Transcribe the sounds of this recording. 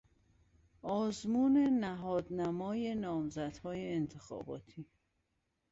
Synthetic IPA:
ɒːzmuːnenæɦɒːd̪næmɒːjenɒːmzæd̪hɒːjeːnt̪ʰe̞xɒ̰ːbɒ̰ːt̪ʰiː

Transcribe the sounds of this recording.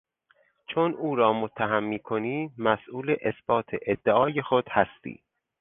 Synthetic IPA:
t͡ʃʰonuːɾɒːmot̪ʰːæɦæmːiːkʰoniːmæsʔuːleʔesb̥ɒːt̪ʰḛʔed̪ːeʔɒːjexod̪̥hæst̪ḭː

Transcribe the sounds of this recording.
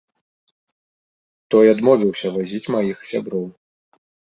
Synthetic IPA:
t̪ɔjad̪mɔvʲiwsʲɐvazʲit͡sʲmajixsʲabɾɔw

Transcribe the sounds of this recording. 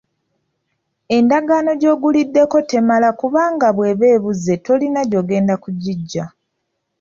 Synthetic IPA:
e̞ndaɡaːno̞ɟo̞ːɡulidːe̞ko̞te̞malakuβaːŋɡaβwe̞ːβe̞ːβuze̞to̞linaɟo̞ːɡe̞ːndakuɟiɟːa

